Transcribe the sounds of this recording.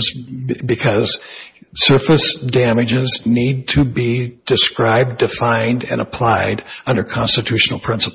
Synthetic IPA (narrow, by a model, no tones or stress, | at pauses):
zbɨkʰʌz̥sɜ˞fɨsd̥æmɨd͡ʒɪznid̚tʰɨbid̥ɨskɹaɪb̚ddɨfãɪ̃ndɨ̰̃nə̰pʰl̥aɪɾʌ̃ndə˞kʰɑ̃nstɨtʰʉʃn̩l̩ˠpʰɹ̥ɪ̃nsə̥p